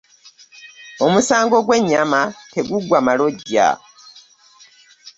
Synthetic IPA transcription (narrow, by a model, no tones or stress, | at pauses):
o̞musaːŋɡo̞ɡwe̞ɲːamate̞ɡuɡwamalo̞ɟːa̰